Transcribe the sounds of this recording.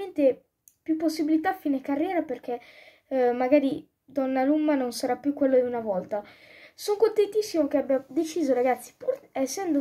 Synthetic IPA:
ent̪e | pjupːosːibilit̪afinekːarːjɛːɾaperk̟ɛ | maɡaːɾi | d̪ɔnːalumːanonsaɾapːjukwelːod̪iunavɔlt̪asoŋkont̪ent̪isːimok̟eabjad̪et͡ʃiːzoɾaɡat̪sːi̥puɾɛsːɛnd̪o

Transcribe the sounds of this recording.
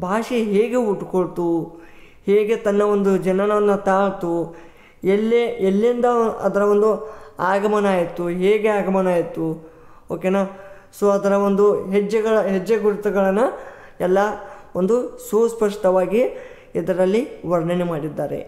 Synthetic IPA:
bʱaːʂiɦeːɡeuʈkoɭt̪u | heːɡe̞t̪ɐnːɐo̞nd̪ud͡ʒɐnɐnɐʋɐnːɐt̪aːɭt̪u | elːeelːind̪ɐɐ̰d̪ɐɾɐʋond̪uaːɡɐmɐnaːjit̪ːuɦeːɡeaːɡɐmɐnaːjit̪ːu | oːkeːnaː | soːɐd̪ɐɾɐond̪uɦed͡ʒːɐɡɐɭɐɦed͡ʒːɐɡuɾut̪ɐɡɐɭɐnːɐ | ɛlːɐ | ond̪ususpɐʂʈɐʋaːɡi | id̪ɐɾɐlːiʋɐɾɳɐnemaːɽid̪ːaːɾḛ

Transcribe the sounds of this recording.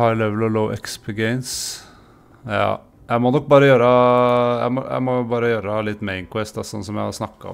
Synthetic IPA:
hɑɪlɛʋəlɔləʊʔɛkspʰəɡɛns | jɑ̰ː | jæɪmɔnɔk̚ːbɑːɾəjøːɾəjæ̰ɪmɔ̰jæ̰ɪmɔbɑːɾəjøːɾəlɪt̪ːmɛɪnkʰwɛst̪d̪ɑsɔnːsɔmjæɪhɑɾsnɑkːɑɔ̰

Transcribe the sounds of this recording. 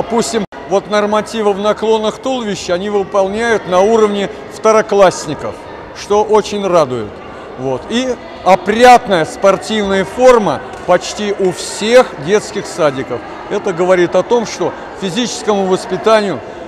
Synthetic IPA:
d̪ɐpusʲtʲɪm | vo̞t̪nərmɐtʲivəvnɐklˠo̞nːɨxt̪ulˠvʲɪɕːɪɐnʲivɨpɐlˠnʲæjʊt̪nɐuɾəvnʲɪ | ft̪əɾɐklˠasʲnʲɪkəf | ʂt̪o̞ʔot͡ɕɪnʲrad̪ʊjʊ̰t̪ | vo̞t̪i | ɐpɾʲat̪nəjəspɐrtʲivnəjəfo̞rmə | pɐt͡ɕtʲiʔufsʲe̞xdʲe̞t̪skʲɪxsadʲɪkəf | ɛt̪əɡəvɐɾʲit̪ɐt̪o̞mʂt̪o̞ | fʲɪzʲit͡ɕɪ̥skəmʊvəspʲɪt̪anʲɪjʊ

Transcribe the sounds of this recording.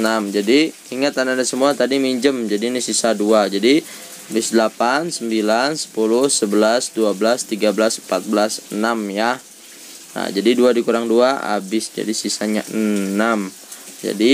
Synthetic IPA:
namd͡ʒadi | iŋat̪anadasəmuat̪adimiɲd͡ʒəmd͡ʒadinisisaduad͡ʒadi | abɪsdəlapansəmbilansə̥pulʊhsəbəlasduabəlast̪iɡabəlasmpat̪̚bəlasənamja | na̰d͡ʒadiduadikuɾaŋduaa̰bɪsd͡ʒa̰disisaɲa̰ʔənam | d͡ʒa̰di

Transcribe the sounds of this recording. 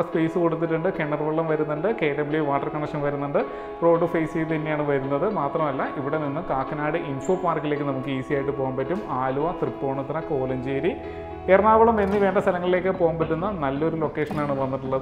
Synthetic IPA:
ɐspeːsɨkoɽut̪̬ːiʈːuɳɖɨkeɳːɐrʋɐɭːɐmʋɐɾunːuɳɖɨkeːʈemliʋaːʈːɐrkɐɳɐkʂɐnʋɐɾunːuɳɖɨ | pro̞ːɖɨfɐjsijt̪ɐnːejaːɳɨʋɐɾunːɐðɨmaːt̪rɐmɐlːɐʔiʋiɽeninːukaːkːɐnaːɽɨʔinfoːpaːrkːile̞ːk̬ːɨnɐmukːɨiːsijaːjiʈːɨpo̞ːɣɐmpɐtːumaːluʋɐt̪ripːo̞ːɳɐt̪ːɾɐko̞ːlɐɲd͡ʑeːɾi | eːrɐnaːʋɐɭɐme̞nːiʋe̞ːɳɖɐst̪ʰɐlɐŋːɐɭile̞ːkːɨpo̞ːɣɐmbɐtːunːɐnɐlːɐo̞ɾulo̞kːe̞ːʂɐnaːɳɨʋɐnːiʈːuɭːɐð

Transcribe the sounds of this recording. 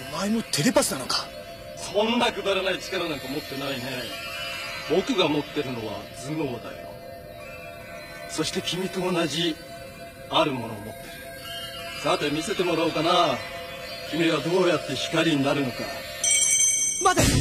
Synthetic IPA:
maimot̪ʰe̞ɾʲepasɨnano̞kḁ | sõ̞nːakɯ̟d̪aɾanait͡ɕi̥kaɾanãŋkamo̞t̪ːe̞naine̞ | bo̞kɯ̟ɡamo̞t̪ːe̞ɾɯ̟no̞βa̰d͡zɨnoːd̪a̰jo̰ | so̞ɕi̥t̪e̞kʲimʲit̪o̞ːnaʑi | aɾɯ̟mo̞no̞ːmo̞t̪ːe̞ɾɯ̟ | sat̪emʲise̞t̪e̞mo̞ɾaokana | kʲimʲiβad̪o̞ːjat̪ːe̞çi̥kaɾʲiɲ̟inaɾɯ̟no̞ka̰ | mad̪a

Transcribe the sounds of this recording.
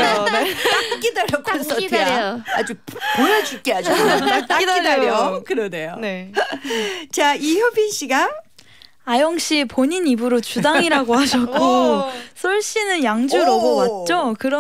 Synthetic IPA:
k͈ak͈ideʎʌɡ͈oss͈ʌtʰejad͡ʑupoɾʌd͡ʑuk͈eɦad͡ʑʌaiieokɯɾʌnejone | t͡ɕaiçjʌbiɕ͈ʰiɡa | ajʌŋɕ͈ipoɲiɲibɯɾot͡ɕudaŋiɾaɡohaɕʰʌkk͈ʰosʰoɭɕ͈inɯnjaŋd͡ʑuɾʌɡowat̚t͡ɕ͈okɯɾʌ

